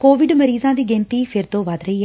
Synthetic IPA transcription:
koːʋɪɖməɾiːzãːd̪iːɡẽnt̪iːpʰɪɾt̪õːʋad̪ɾəiː

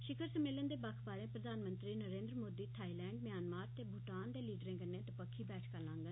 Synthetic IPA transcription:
ʃɪkʰəɾsəmeːlənd̪eːbakʰbaːɾẽːpɾəd̪ʱaːnmə̃nt̪ɾiːnəɾẽːnd̪ɾəmoːd̪iːt̪ʰaːilɛ̃ːɳɖmjaːnmaːɾt̪eːbʱʊʈaːnd̪eːliːɖɾẽːkənẽːt̪əpəkʰːiːbɛːʈʰkəlãːŋɡə

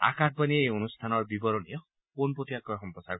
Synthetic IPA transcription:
a̰kat̚ʰpanieonust̪ʰanɔɾbibɔɾɔnijɔ | konpot̪iakɔɦɔmpɔsaɾ

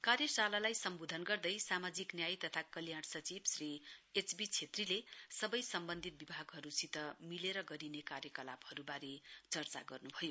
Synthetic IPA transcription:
karjʌsalalajsʌmbod̪ʱʌnɡʌrd̪ʌjsamad͡ziknjajt̪ʌt̪ʰakʌljaɽsʌt͡sibsriet͡sbit͡sʰet̪rilesʌbʌjsʌmbʌnd̪ʱit̪̚bibʱaɡɦʌɾusit̪ʌmileɾʌɡʌɾinekarjʌkʌla̰bhʌɾubaɾit͡sʌrt͡sa̰ɡʌrnubʱʌjo

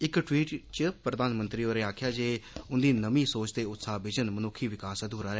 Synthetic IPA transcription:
ɪkʈwiːʈt͡ʃəpɾəd̪aːnmə̃nt̪ɾiːoːɾeːaːkʰjaːd͡ʒeːʊnd̪iːnəmĩːsoːt͡ʃt̪eːʊt̪saːbɪd͡ʒənmənʊkʰːiːʋɪkaːsəd̪ɦoːɾaːɾɛː

